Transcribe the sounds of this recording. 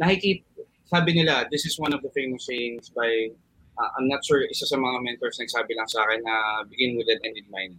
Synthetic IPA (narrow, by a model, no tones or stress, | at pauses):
nɐkɪkiːt̪ | saːbɪnɪlad̪ɪsɪswɐnɔvd̪ɐfejmɔsejnsbaj | ʔaʔɐ̰mnɐt̪̚ʃuɹɪsasɐmɐŋamɛnt̪ɔɹsnɐɡ̚saːbɪlɐŋsaːkɛnːɐbɪɡɪnwɪd̪ɛd̪ɛnɪnmajn